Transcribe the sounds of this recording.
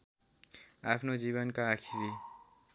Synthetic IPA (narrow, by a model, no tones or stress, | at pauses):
apʰnod͡ziβʌnkaːkʰiɾi